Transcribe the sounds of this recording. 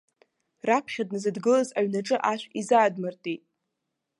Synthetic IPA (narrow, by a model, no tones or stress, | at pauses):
rapʰχʲadnɨzɨdɡɨlazaɥnaʈ͡ʂʼɨʔaʃʷᶣizaːdmartʼitʼ